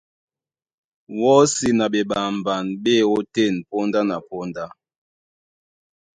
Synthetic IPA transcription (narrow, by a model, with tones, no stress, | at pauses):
wɔ˦si˨na˨ɓe˨ɓa˨mba˨nɓe˦˨o˦te˦˨npo˦nda˦na˨po˦nda˦